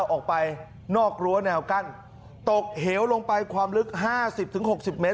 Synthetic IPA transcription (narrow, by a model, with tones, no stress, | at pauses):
wʔɔː˨˩k̚pa˧j | nɔː˥˩k̚ɾu˧ɐnɛː˧wka˥˩n | t̪o˨˩k̚heː˩˦wlo˧ŋpa˧jkʰwaː˧mlɯ˦˥k̚ɦaː˥˩si˨˩p̚t̪ʰɯ˩˦ŋɦo˨˩k̚si˨˩p̚meː˦˥